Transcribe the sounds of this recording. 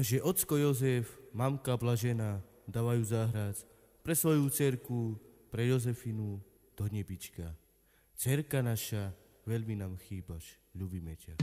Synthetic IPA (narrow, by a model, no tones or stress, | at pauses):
ʒɛʔɔt̪t͡skɔjɔzɛfmamkablaʒɛna | d̪aːʋajuːzaːɦɾat͡s | pɾɛsʋɔjut͡sɛɾku | pɾɛjɔzɛfinu | d̪̥ɔɲɛbit͡ʃka | t͡sɛɾkanaʃa | ʋɛʎminaːmxiːbaʃ | ʎubimɛca